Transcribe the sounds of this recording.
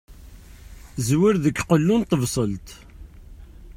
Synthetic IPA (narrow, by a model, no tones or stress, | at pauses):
zwɪɾðəkːqəlːunt̪ːəvsˤəlt̪